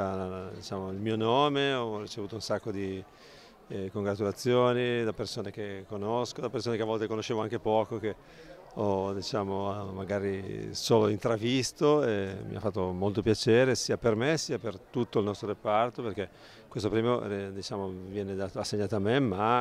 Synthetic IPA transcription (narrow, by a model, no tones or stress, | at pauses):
ad̪it͡ʃaːmoilmiːonoːmeɔrit͡ʃevuːt̪ounsakːod̪i | koŋɡɾat̪ulat̪sːjoːnid̪apːersoːnek̟ekːonoskod̪apersoːnekeavɔlt̪ekonoʃːeːvoaŋkepɔːkok̟e | ɔd̪it͡ʃaːmomaɡaːɾisoːloint̪ɾavist̪oemḭa̰fːat̪ːomolt̪opjat͡ʃeːɾesiːapermesiːapert̪ut̪ːoilnɔst̪ɾoɾepart̪operke | kwest̪opɾiːmod̪it͡ʃaːmovjɛːned̪at̪oasːeɲːaːt̪oamːemːa